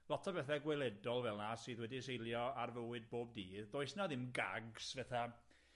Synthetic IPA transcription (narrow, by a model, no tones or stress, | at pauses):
lˠɔtʰɔbɛθɛɡwɛlˠɛdɔlˠvɛlˠnasɨːðwɛdisejlˠjɔarvəwɨd̚boːb̚diːððoːɨsnaðɪmɡa̰ɡsvɛθa